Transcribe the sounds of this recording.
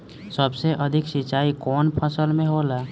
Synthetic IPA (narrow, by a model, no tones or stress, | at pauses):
səbseʔəd̪ʱɪksɪt͡ʃaːikɔːnpʰəsəlmẽɦoːlaː